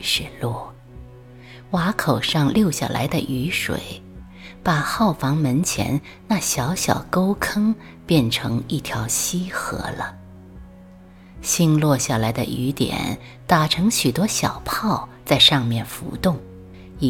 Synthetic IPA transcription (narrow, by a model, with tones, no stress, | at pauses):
ʂɻ̩˥˧lwɔ˥˩ | wa˧˥kʰo˨˩ʊʂɑ˥˧ŋljo˥˩ʊɕja̰˨˩la̰˧˥ɪd̪ə̰˧ʔy˧˥ʂwḛ˨˩˦ɪ | pa˨˩xɑ˥˩ʊfɑ˧˥ŋmə˧˥nt͡ɕʰjɛ̰˧˥n | na˥˩ɕjɑ˧˥ʊɕjɑ̰˨˩ʊko˥ʊkʰɤ˥ŋ | pjɛ˥˩nʈ͡ʂʰɤ˧˥ŋi˥˩t̪ʰjɑ˧˥ʊɕi˥xɤ̰˧˥lə̰˧ | ɕi˥nlwɔ˥˧ɕja˥˩la˧˥ɪd̪ə̰˧ʔy˧˥t̪jɛ̰˨˩˦n | t̪a˨˩ʈ͡ʂʰɤ˧˥ŋɕy˨˩t̪wɔ˥ɕjɑ˨˩ʊpʰɑ˥˧ʊt͡sa˥˧ɪʂɑ˥˧ŋmjɛ˥˩nfṵ˧˥t̪ʊ˥˩ŋ | i˧˩